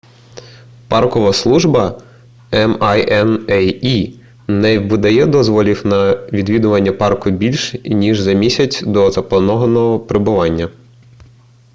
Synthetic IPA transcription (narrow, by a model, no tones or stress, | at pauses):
pɑrkɔʋɐslˠuʒbɐ | ɛmɑjɛnɛji | nɛʋɪd̪ɐjɛd̪ɔzʋɔlʲiwnɐʋʲid̪ʋʲid̪ʊʋɐnʲːɐpɑrkʊbʲilʲʃnʲiʒzɐmʲisʲɐt͡sʲd̪ɔzɐpˠɐnɔɦɐnɔɦɔpɾɪbʊʋɑnʲːɐ